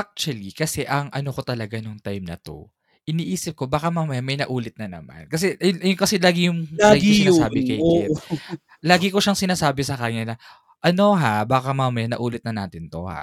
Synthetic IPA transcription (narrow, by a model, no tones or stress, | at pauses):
ʔʔak̚t͡ʃwɐlikɐsɛʔɐŋɐno̞ko̞t̪ɐlɐɡanoŋt̪ajmnɐ̰t̪o̞̰ | ʔɪniːʔiːsɪp̚ko̞baːkɐmaːmɐjamɐjnɐʔuːlɪt̪̚nɐnɐ̰ma̰nkɐs̬ɛjʊŋkɐsɛlaːɡɪjʊŋaːɡɪɡiɪaaːbɪkɐjɪ | laːɡɪko̞ʃaŋsɪnaːsaːbɛsɐkɐɲanɐ | ʔɐno̞ɦabaːkɐmaːmɐjanɐ̰ʔuːlɪt̪̚nɐna̰ːt̪ɪnt̪o̞̰ha̰